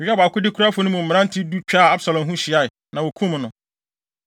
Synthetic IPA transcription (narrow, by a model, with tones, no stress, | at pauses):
ɪ˨ɛ˦ba˨kʊ˦dɪ˦kʰu˦ɾa˦fʊ˨nʊ̃˦mũ˨m̩˨mɪ̃˨˦ã˦n̩˦tʰi˦du˦t͡ɕᶣa˦˨a˦bsa˨lɔ̃˨mɦũ˦ɕɪ˨a˦ɪ˨ | nã˨wo˨kʰũ˦m̃˦nʊ̃˨